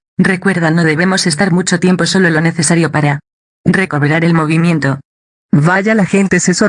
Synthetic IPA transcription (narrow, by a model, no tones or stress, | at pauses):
re̞kwe̞ɾðano̞ðe̞β̞e̞mo̞se̞st̪aɾmut͡ʃo̞t̪je̞mpo̞so̞lo̞lo̞ne̞θe̞saɾjo̞paɾa | re̞ko̞βeɾaɾe̞lmo̞β̞imje̞nt̪o̞ | βaʝalaxe̞nt̪e̞seso